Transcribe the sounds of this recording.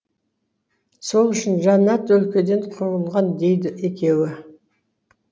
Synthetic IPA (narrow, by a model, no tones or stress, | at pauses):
so̞lˠʏʃɪnʒɑnɑt̪ɵlkʲe̞d̪e̞ɴqʰʊɾəlˠʁɑnd̪e̞jd̪ɪʔe̞kʲe̞wɪ